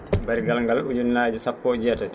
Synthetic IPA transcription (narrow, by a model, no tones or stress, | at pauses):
baɾiɡalŋɡalud͡ʒunːaːd͡ʒusapːɔːd͡ʒɛtat